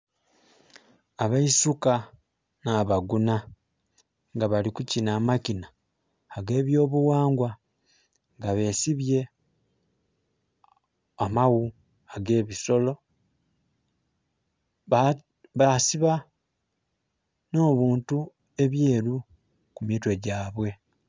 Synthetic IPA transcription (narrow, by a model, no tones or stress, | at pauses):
aβaisuka | naːβaɡuna | ŋɡaβalikucinaːmacinaː | ɡe̞ːβjo̞ːβuwaːŋɡwa | ŋɡaβe̞ːsiβje̞ | amawu | aɡe̞ːβiso̞lo̞ | a | βasiβa | no̞ːβuːntu | e̞βje̞ːɾu | kumjiːtwe̞ɟaːβwe̞